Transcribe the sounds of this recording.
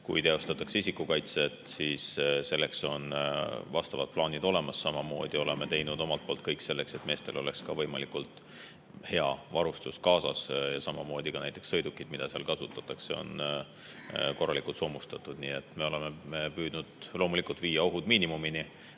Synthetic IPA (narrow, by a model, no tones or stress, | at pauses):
kujt̪e̞o̞st̪ɑt̪ːˑɑ̥kseisikːukɑjt̪set̪siːsse̞lːe̞kso̞nvɑst̪ɑvɑd̪̥̚plɑːnid̪o̞le̞mɑsːɑmɑmo̞̰ːd̪̥io̞le̞me̞t̪e̞jnud̪̥o̞mɑlt̪̚po̞ːlt̪̚kɤjkse̞lːe̞kse̞t̪me̞ːst̪e̞lo̞le̞kskɑvɤ̞jmɑlikult̪ | he̞ɑvɑɾust̪uskɑːsɑ̰sjɑsɑmɑmo̞ːd̪̥ikɑnæjt̪ːˑe̞ksɤ̞jd̪ukːˑid̪̥mid̪̥ɑseɑ̰lkɑsut̪ːˑɑt̪ːˑɑkseo̞̰n | ko̞rːɑlikult̪soːmust̪ɑt̪ːˑud̪̥niːe̞t̪ːˑme̞o̞le̞me̞mepyːd̪̥nud̪̥lo̞ːmulikˑult̪viːjɑo̞ɦud̪̥miːnimumini